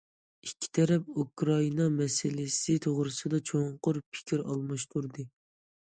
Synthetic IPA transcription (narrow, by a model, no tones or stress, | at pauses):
ikʲʰːi̥t̪ʰɛɾɛp̚ukɾɑinɑmɛsɪlɪsɪt̪ʰoʁɾɨsɨd̪ɑt͡ʃʰoŋqʊɾpʰɪ̥kʲʰiɾɑ̰lˠmɑʃt̪ʰuɾd̪ɨ